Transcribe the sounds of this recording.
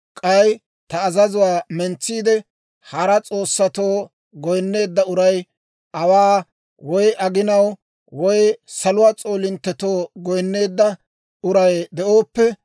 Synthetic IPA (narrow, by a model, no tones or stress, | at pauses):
kʼɐj | t̪ɐːzɐzʊwaːmɛnt͡sːiːd̪ɛ | hɐɾɐt͡sʼo̞ːsːɐt̪oː | ɡɔjnːe̞ːd̪ːɐʊɾɐj | ʔɐwaː | wɔjʔɐɡɪnɐw | wɔjsɐlʊwaːt͡sʼo̞ːlɪnt̪ːɛt̪oːɡɔjnːe̞ːd̪ːɐ | ʊɾɐjd̪ɛʔo̞ːpːɛ